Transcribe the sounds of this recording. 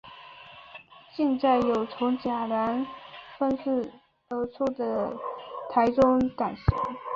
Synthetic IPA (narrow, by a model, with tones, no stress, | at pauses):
ɕɛ˥˧nt͡sa˥˩ɪjo˨˩ʊt͡sʰʊ˧˥ŋt͡ɕja˨˩la˧˥nfə˥nʂ̩˥˩ | t̪ə˧˥t͡sʰu˥˩d̪ə˩t̪ʰa˧˥ɪʈ͡ʂʊ˥ŋka˨˩nʂ̩˧˥